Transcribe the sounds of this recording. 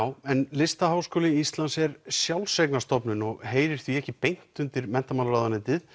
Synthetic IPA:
wɛnlɪst̪aɦaːwskoːlɪist̪lansɛɾsjawlsejknast̪ɔpnʏnɔɣɦeːjɾɪɾ̥θviɛhcɪpejn̥t̪ʏnt̪ɪɾmɛn̥t̪amaːnaɾaːðanɪnt̪ɪð

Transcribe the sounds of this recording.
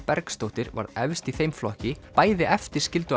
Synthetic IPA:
pɛɾkst̪owht̪ɪɾva̰ɾɛvst̪iθejmflɔhcɪpaːjðɪʔɛft̪ɪɾ̥scɪlt̪ʏ

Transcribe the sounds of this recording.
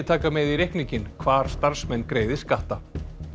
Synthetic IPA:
t̪ʰaːkamɛðiɾehkniɲcɪnkʰvaːɾ̥st̪aɾ̥smɛnːkɾeːjðɪskaht̪a

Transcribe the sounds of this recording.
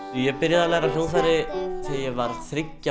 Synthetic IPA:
ujɛpɪɾjɪðalɛːɣɾarjownθajɾɪθɪjɛvaɾ̥θɾɪcːa

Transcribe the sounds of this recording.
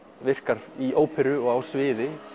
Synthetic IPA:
vɪr̥kaɾiʔoːwpʰɛɾʏɔɣawsvɪːðɪ

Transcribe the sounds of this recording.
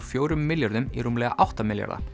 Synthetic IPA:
fjoːɾʏmːɪljɔɾd̪əmḭɾʊmleːa̰ʔɑht̪ɑmɪljɑ̰ɾd̪ɑ̰

